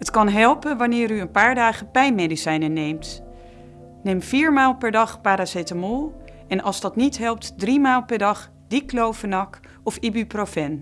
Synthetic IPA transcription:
ɦətkɑnɦɛlˠpənʋɑnɪːɾyənpaːɹdaːχəpɛjnmejdisɛjnənejmt | nejmfiːɹmaːlˠpɛɹdɑχpaːɾasetəmolˠ | ɛnʔɑlˠzdɑtnitɦɛlˠp̚tdrimaːlˠpɛɹdɑχ | d̥iklowvənɑk | ɔfibyprofɛn

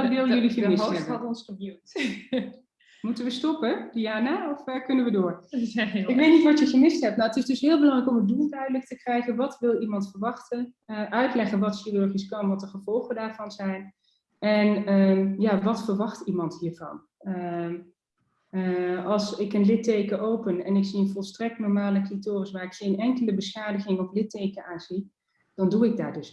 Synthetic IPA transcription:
tʋɪlˠjølixəmɪsɛbətɔnsχəbøt | mutəʋəstɔpədiaːnaɔfəkʏnənʋədoːr | ɪkʋeːtnitʋɔtjəɣəmɪstɦɛp̚tnawətɪsdɵsɦɪːlˠbəlɑŋrɛjkomət̚dulˠdœɥdələk̚təkrɛjɣənʋɔtʋɪlˠimɑntfərɹʋɑxtə | ʔœɥtlɛχənʋɔtʃirørχiskɑnʋɔt̚dəχəv̥ɔlˠχədaːrvɑnzɛjn | ʔɛnəjaːʋɑtfəɹʋɑχtimɑntɦiːɹvɑ̰n | ə | ɑlˠsɪkənlɪtejkəʔowpənɛnɪksiənvɔlˠstrɛk̚tnɔɹmaːləklitoːrəsʋaːrɪkχenɛŋkələbəsχaːdəɣɪŋɔflɪtejkəaːnz̥i | d̥ɑnduɪɡ̚da̰ːɹdɵs

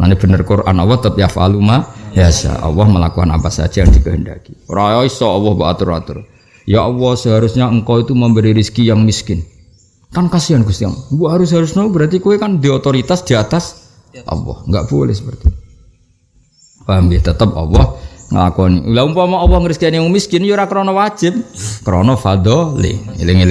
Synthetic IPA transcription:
na̰nib̥ə̤nərkurʔa̰nɔwɔht̪əp̚jafa̰lumajasa̰ʔɔ̰wɔhməlakuɦa̰na̰pasa̰dd͡ʒ̥ajaŋd̪ikəɦəndaki̥ɾaɔisɔɔwɔhbaa̰t̪ʊɾa̰t̪ʊ̰r | jaʔɔwɔhsəɦaɾusɲaəŋkɔit̪uməmbəɾiɾiskijaŋmiskɪn | kankasianɡust̪ija̰ŋbuɦaɾʊsɦaɾʊsnaubəɾant̪ikuekand̪iɔt̪oɾit̪asd̪̥iat̪as | ʔɔ̰wɔ̰hŋɡa̰ʔb̥olɪ̰hsəpərt̪i | wambeht̪ət̪əp̚ɔ̰wɔhŋə̰la̰kɔnḭlaumpamɔɔwɔhŋəɾiskianjaŋmiskɪnjoɾakəɾɔnɔwḁd͡ʒ̥ɪp̚kəɾɔnɔfad̪ɔlɪ̰ŋḭlɪŋilɪ

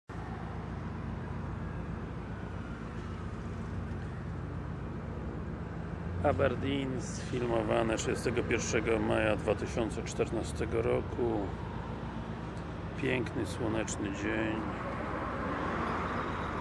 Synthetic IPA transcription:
abɛɾd̪ʲinsfʲilmɔvanɛtʂɘd͡ʑɛst̪ɛɡɔpʲjɛɾʂɛɡɔmajad̪vat̪ɘɕɔnt̪sɛt͡ʂt̪ɛɾnast̪ɛɡɔɾɔkʰu | pʲjɛŋknɘswɔnɛt͡ʂnɘd͡ʑeɲ

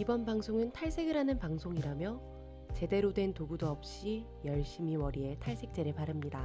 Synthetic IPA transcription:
ibʌnpaŋsʰoŋɯntʰaɭs͈ʰe̞ɡɯɾɦanɯnpaŋsʰoŋiɾamjʌ | t͡ɕe̞de̞ɾodwe̞ntoɡudoʌp̚ɕ͈i | jʌɭɕ͈imiwʌɾie̞tʰaɭs͈ʰe̞k̚t͡ɕ͈e̞ɾɯɭpaɾɯmɲida

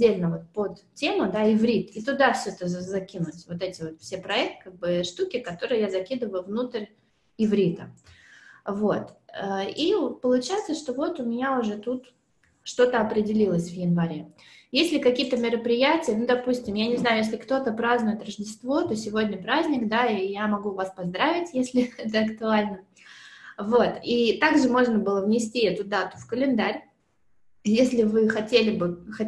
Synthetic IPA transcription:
dʲːelʲnəvo̞t̪̚pot̪tʲːe̞mʊd̪aɪvɾʲit̪it̪ʊd̪afsʲoɛt̪əzɐkʲinʊtʲvo̞t̪ɛtʲɪvo̞t̪fsʲepɾɐɛk̚t̪kaɡ̚bɨʂt̪ukʲɪkɐt̪o̞ɾɨjjazɐkʲid̪ɨvəjʊvnut̪əɾʲ | ɪvɾʲit̪ə | vo̞t̪əipəlˠʊt͡ɕajɪt̪səʂt̪o̞vo̞t̪ʊmʲɪnʲaʊʐɛt̪ut̪ | ʂt̪o̞t̪əɐpɾʲɪdʲɪlʲilˠəsʲvjɪnvɐɾʲe | jesʲlʲɪkɐkʲijət̪əmʲɪɾəpɾʲɪjætʲɪjənud̪ɐpusʲtʲɪmjanʲɪznajʊjes̬ʲlʲɪkt̪o̞t̪əpɾaznʊjɪt̪rəʐdʲɪst̪vo̞t̪o̞sʲɪvo̞dʲnʲəpɾazʲnʲɪkd̪aijamɐɡuvaspɐzd̪ɾavʲɪtʲjesʲlʲɪɛt̪əɐkt̪ʊalʲnə | vo̞t̪it̪aɡʐɨmo̞ʐnəbɨlˠəvnʲɪsʲtʲiɛt̪ʊd̪at̪ʊ̥fkəlʲɪnd̪aɾʲ | jesʲlʲɪvɨxɐtʲelʲɪbɨxɐ

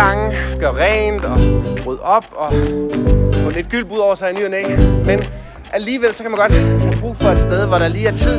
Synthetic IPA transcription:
ɑ̈ŋɡ̥ɶɐʁɛːnd̥ɒ̽ʁyð̰ˠɒ̽b̥ɒ̽ | fɔ̽nəe̝d̥ɡ̥yl̰b̥uðˠɒʊɐsɑ̈ɪinyɐnḛːmen | ʔæliːʋel̰sɒ̽kʰæmænɡ̥ɒ̽d̥b̥ʁṵːfɒ̽e̝d̥sd̥eð̞ˠʋɒɾ̥ɑliːæɐt͡sʰið̰

